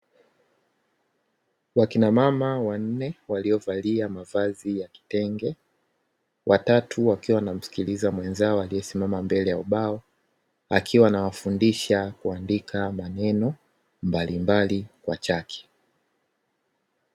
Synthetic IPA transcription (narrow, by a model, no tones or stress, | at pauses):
wakinamamawan̩nɛwaliɔvaliamavazijaki̥tɛŋɡɛ | wʔatatʰuwakiwanam̩si̥kilizamwɛnzaɔaliɛsimamambɛlɛjauɓaɔ | a̰kʰiwanawafundiʃakuandikʰamanɛnɔ | mbalimbalikwa̰t͡ʃakʰɛ̥